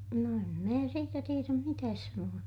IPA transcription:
no em mæː siːtæ tieræm mitæːs sɑnuɑ

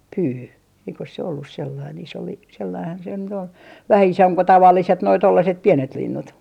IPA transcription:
pyː eikos se olːus selːɑin iso li selːɑihɑn se nyt ol ʋæhæ isomp ko tɑʋɑlːiset noi tolːɑset piɛnet linːut

